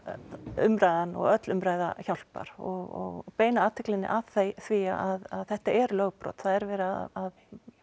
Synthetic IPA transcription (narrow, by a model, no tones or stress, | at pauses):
ʏmɾajðanɔ̰ɣœt̪lʏmɾaːjða̰çawl̥pa̰ɾ̥ɔɣɔɣpeːjnaaːt̪ʰɪklɪnːɪ̰ʔaðθejθvia̰ʔaðaðθɛht̪aʔɛɾlœːɣpɾɔ̰ːt̪θaðɛɾvɛːɾɪaaað